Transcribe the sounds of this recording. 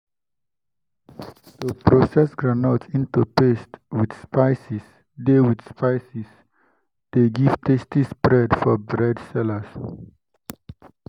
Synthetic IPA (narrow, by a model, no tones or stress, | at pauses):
tupɾosɛsɡɹanatsĩntupestwid̪spaɪsis | dewid̪spaɪsis | d̥eɡiv̥tʰestisbɾɛdfɔbɹɛdsɛləs